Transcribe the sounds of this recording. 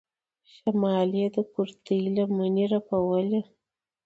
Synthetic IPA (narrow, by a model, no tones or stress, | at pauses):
ʃamɑlijed̪əkuɾt̪əlamaniɾapawəle